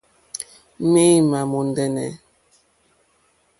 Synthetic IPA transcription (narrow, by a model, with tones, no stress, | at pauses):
mi˦ma˨mo˨n˦dɛ˦nɛ̰˨